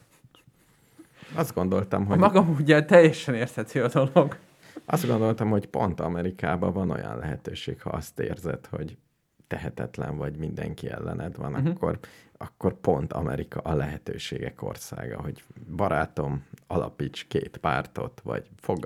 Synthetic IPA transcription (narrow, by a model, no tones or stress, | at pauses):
ɒzd̪̚ɡo̞nd̪o̞lt̪ɒmɦomɒɡɒmuɟɛt̪ɛjɛʃɛneːrsɛt̪siɒd̪oloɡ | ʔɒzd̪ɡond̪o̞lt̪ɒmho̞cpo̞nt̪ɒmɛɾikaːbɒvɒno̞jɒ̰nlʔɛɦɛt̪øːʃeːkhɒɒst̪eːrzɛt̪ho̞ɟ | t̪ɛɦɛt̪ɛt̪lɛɱvɒɟmind̪ɛŋkiɛ̰lːɛnʔɛd̪ʋɒnɒkkːo̞rɒkːorpont̪ʰɒmɛɾikɒʔɒlɛɦɛt̪øːʃeːɡɛko̞̰rsa̰ːɡɒɦo̞ɟbɒɾaːt̪o̞mɒlɒpit͡ʃkeːt̪paːrt̪o̞t̪ʋɒ̰ɟfoɡ